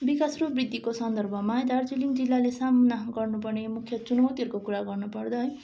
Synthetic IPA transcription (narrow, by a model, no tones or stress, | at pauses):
bikasrubrid̪ʱːikosʌnd̪ʌrbʱʌmaed̪ard͡zilimd͡zilːalesamnaɡʌrnup̬ʌrnemukʰjʌt͡sunʌwt̪iɦʌɾukokuɾaɡʌrnupʌrd̪ʌj